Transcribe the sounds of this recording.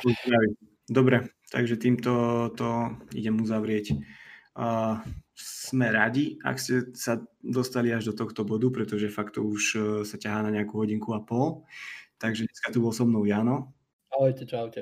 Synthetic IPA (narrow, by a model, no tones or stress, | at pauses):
zɾaʋi | d̪ɔbɾɛt̪a̰ɡʒɛt̪iːmt̪ɔt̪ɔḭɟɛmuzaʋɾɪɛcː | smɛɾaɟia̰kscɛsad̪ɔst̪aliaʒd̪ɔt̪ɔxt̪ɔbɔd̪upɾɛt̪ɔʒɛfakt̪ɔ̰uʃsacaɦaːnaɲɛakuɦɔɟiŋkuapɔlt̪aɡʒɛɲɛskat̪ubɔlsɔmnɔʊjaːnɔ | aɔjcɛt͡ʃaʊcɛ